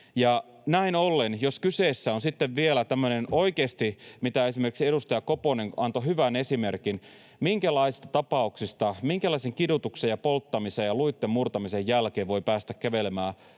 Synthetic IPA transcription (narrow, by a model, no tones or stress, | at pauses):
jɑ | næinolːenjoskyseːsːæonsit̪ːeʋʋielæt̪æmːøneno̞ikeːst̪imit̪æe̞simerkiksiedust̪ɑjɑkoponeŋɑnt̪oɦyʋæne̞simerkin | miŋkælɑisist̪ɑt̪ɑpɑuksist̪ɑmiŋkælɑiseŋkidut̪uksejɑpolt̪ːɑmisejɑluit̪ːemmurt̪ɑmisejːælkeːʋʋo̞ipæːst̪ækkæʋelemæː